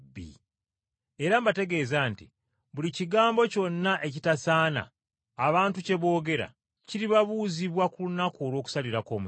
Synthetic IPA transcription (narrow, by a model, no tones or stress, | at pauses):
bḭ | e̞ɾambate̞ɡe̞ːzanti | βuliciɡaːmbo̞co̞nːaʔe̞citasaːna̰ː | βaːntuce̞βo̞ːɡe̞ɾa̰ | ciɾiβaβuːziβwakulunako̞ːlwo̞ːku̥saliɾako̞ːm